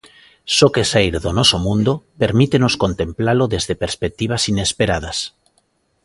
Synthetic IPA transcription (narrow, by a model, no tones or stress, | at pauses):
sokesejɾðonosomũnd̪opeɾmit̪enoskont̪ẽ̞mplaloðezðepeɾspek̚t̪iβ̞asine̞speɾað̞as